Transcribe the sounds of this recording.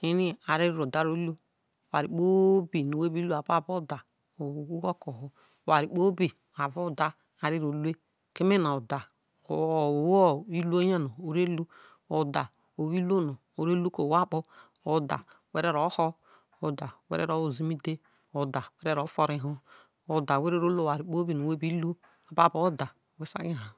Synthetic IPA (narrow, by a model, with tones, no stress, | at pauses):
i˦ni˦a˨ɾi˦ɾɾo˨da˦ɾo˦lu˦˨ | a˨ɾi˨k͡po˦bi˨no˨we˦bi˦lu˦a˨ba˦˨bo˦˨da˨ | o˨u˦wo˦ko˨ɦɔ˦˨ | wa˨ɾi˨k͡po˦bi˨ | a˨vo˦˨da˦ | a˨ɾi˦ɾo˨le˦ | ke˦me˦na˨o˨da˨ | o˨wo˦i˦lu˦o˦ɲa˦no˨o˨ɾe˦lu˦ | o˨da˨ | o˨wi˦lo˦no˨ | o˨ɾe˦lu˦ko˨wa˦k͡po˦ | o˦da̰˨ | we˦ɾe˦ɾo˨˦hɔ˦ | o˨da˨wḛ˦ɾḛ˦ɾo˦wo˨zi˦mi˦de˦ | o˨da˨we˦ɾe˦ɾo˨˦fo˦ɾi˦ɦo˦ | o˨da˨we˦ɾe˦ɾo˦lo˦˨a˨ɾi˨k͡po˦bi˦˨no˨we˦bi˦lu˦ | a˨ba˦˨bo˨˦o˦da˨we˦sa̰˦a˨ɦa˨